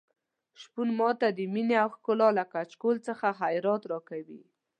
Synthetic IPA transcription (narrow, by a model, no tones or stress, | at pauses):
ʃpunmɑt̪ad̪əmineawxkʊlɑlakat͡ʃkolt͡səxaɦajɾɑt̪ɾɑkawḭ